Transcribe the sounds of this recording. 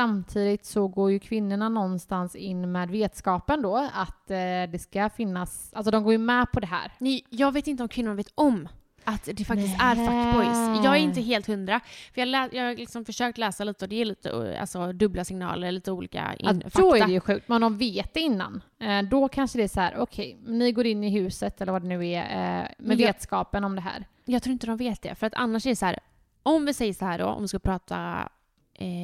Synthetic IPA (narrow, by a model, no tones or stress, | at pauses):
samt̪ʰiːd̪ɪt̪sɔɡoːɾjɵkʰvɪnːʊɳanɔnːst̪ansɪnːmɛːd̪veːt̪skɑːpənd̪ɔat̪d̪ɛskafɪnːas | ʔals̬ɔd̪ɔmɡoːɾjɵmɛːpʰɔd̪ɛɦæ̰ːɾnɛjɑːɡveːt̪ɪnt̪əɔmkʰvɪnːʊɳaveːt̪ɔm | at̪d̪ɛfak̪t̪ɪst̪æɾfakːbɔjsj̪jɑːɡɛɾɪnt̪əɦeːlt̪hɵnd̪ɾafœɾjɑːɡlɛːjɑːlɪksɔmfœʂøːk̚t̪lɛːsaliːt̪əɔd̪ɛjɛɭiːt̪ə̰a̰lsɔd̪ɵblasɪŋnɑ̰ːləɭiːt̪əuːlḭːka̰ffaɔæɾɛjʉɧʉ̟ːk̚t̪̚mɛnd̪ɔmveːt̪̚d̪ɛɪnːa̰nd̪ɔkʰanʂəd̪ɛæsɔhæ̰ːɾʔɔkʰɛjmnːɪɡoːɾɪnːɪɦʉ̟ːsət̪ɛləɾvad̪ɛnʉ̟ːæmɛveːt̪skɑːpənɔmd̪ɛɦæ̰ːɾ | jɑɡt̪ʰɾuːɪnt̪əd̪ɔmveːt̪̚d̪ɛ̰fœɾat̪ʰa̰nːaʂɛɾɛsɔhæːɾ | ʔɔmvɪsɛjːəsɔhæːɖɔ̰ɔ̰mvɪskapʰɾɑːt̪ʰa̰